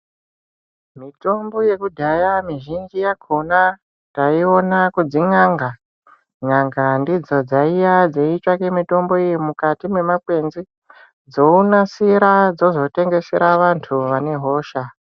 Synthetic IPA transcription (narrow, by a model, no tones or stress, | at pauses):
mito̞mbo̞je̞kudʱajamiʒind͡ʒijakʰona | taio̞nakud͡ziɲaŋɡa | ɲaŋɡandid͡zo̞d͡zaijad͡zeit͡ʃakemito̞mbo̞ijimukatimwe̞makwe̞nzi | d͡zo̞unasiɾad͡zo̞zo̞te̞ŋɡe̞se̞ɾaʋantʰuʋane̞ɦo̞ːʃa